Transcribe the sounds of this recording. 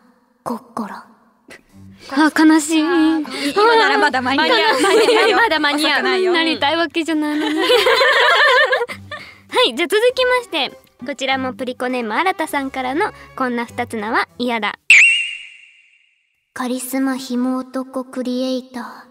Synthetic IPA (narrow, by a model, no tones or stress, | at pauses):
kokːoɾa | akanaɕiː | aɾaad̪aamaad̪amaɲiainaɾʲit̪aiβake̞ʑanain | haid͡ʑaːt͡sɨzɨkʲimaɕi̥t̪e̞ | ko̞t͡ɕiɾamo̞pɯ̟ɾʲiko̞ne̞mɯaɾat̪asãŋkaɾano̞kõ̞nːaɸɯ̟̥t̪at͡sɨnaβaijad̪a̰ | kaɾʲisɨmaçimo̞ːt̪o̞kokɯ̟ɾʲieit̪aː